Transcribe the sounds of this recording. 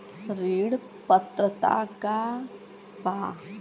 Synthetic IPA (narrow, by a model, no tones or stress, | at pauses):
ɾiːɽ | pət̪ɾət̪a̰ka | baː